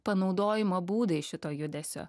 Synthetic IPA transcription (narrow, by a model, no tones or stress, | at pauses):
pɐnɒʊd̪oːjɪmoːbuːd̪ɐɪʃʲɪt̪oːjʊd̪ʲɛsʲo̰ː